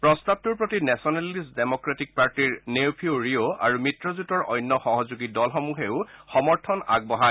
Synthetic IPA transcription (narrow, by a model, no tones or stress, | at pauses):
pɹɔstab̚tuɹpɹɔtinɛsɔnalisdemɔkɹatik̚paɹtiɹnewpʰioɹioa̰ɹumitɹɔzutɔɹʔɔ̰jnːɔxɔɦɔzuɡidɔlxɔmuxeʊxɔmɔɹtʰɔna̰ɡ̚bɔɦa